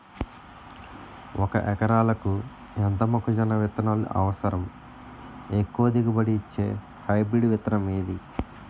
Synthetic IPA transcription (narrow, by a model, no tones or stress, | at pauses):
wɔkɐ̰ʔɛkɐɾaːlɐku | ɛnt̪ɐmɐkud͡ʒɐnɐʋit̪ɐnalṵʔɐ̰ʋɐsɐɾɐm | ekːuʋɐd̪iɡɐbɐɽiːt͡ʃːḛː | hɐjbɾiɖʋɪt̪ɐnɐmeːd̪i